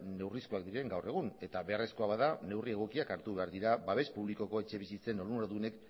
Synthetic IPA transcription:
ne̞wriskuak̚d̪iɾe̞ŋɡawre̞ɣ̞une̞t̪aβe̞are̞sko̞aβaðane̞wrie̞ɣ̞o̞kiakaɾt̪uβe̞aɾðiɾabaβe̞spuβliko̞ko̞e̞t͡ʃe̞βisit͡se̞no̞ɾunoɾðune̞k

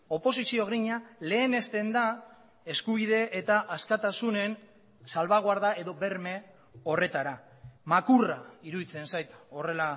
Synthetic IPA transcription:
o̞po̞sisio̞ɣɾiɲale̞ːne̞st̪e̞nd̪a | e̞skuβiðe̞ʔːt̪aʔaskat̪asune̞n | salβaɣ̞oaɾðae̞ðo̞be̞ɾme̞ | o̞re̞t̪aɾa | makuraiɾuðit͡se̞nsajt̪o̞re̞la

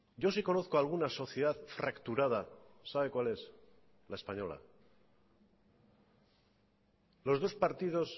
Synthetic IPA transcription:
ɟ͡ʝo̞siko̞no̞θkoalɣ̞unaso̞θjeðaðfɾakt̪uɾaðasaβe̞kwale̞s | lae̞spaɲo̞la̰ | lo̞zðo̞spaɾt̪ið̞o̞s

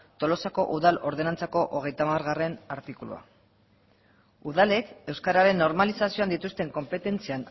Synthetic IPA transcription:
t̪o̞lo̞sako̞̰ʔuðalo̞ɾð̞e̞nant͡sako̞ʔoɣ̞e̞jt̪amaɾɣare̞naɾt̪ikulṵa̰ | uð̞ale̞ke̞wskaɾaɾe̞nːo̞ɾmalisasio̞and̪it̪ust̪e̞ŋko̞mpe̞t̪e̞nt͡sian

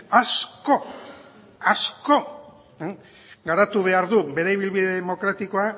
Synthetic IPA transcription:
asko̞ | asko̞ | ɡaɾat̪uβe̞aɾðuβe̞ɾajβ̞ilβiðe̞ðemo̞kɾat̪iko̞a

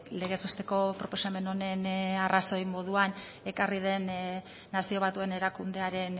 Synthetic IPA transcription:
le̞ɣ̞e̞zβest̪e̞ko̞pɾo̞po̞same̞no̞ne̞naraso̞jmo̞ð̞uan | e̞karið̞e̞nː | asio̞β̞at̪ue̞ne̞ɾakund̪e̞aɾe̞n

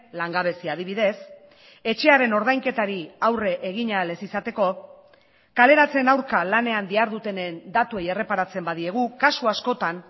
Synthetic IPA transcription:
laŋɡaβe̞siað̞iβ̞iðe̞s | e̞t͡ʃe̞aɾe̞no̞ɾð̞ajŋke̞t̪aɾiawre̞ʔeɣ̞iɲale̞sisat̪e̞ko̞ | kale̞ɾat͡se̞nawɾkalane̞and̪iaɾðut̪e̞nend̪at̪ue̞jere̞paɾat͡se̞mbaðie̞ɣ̞ukasuasko̞t̪an

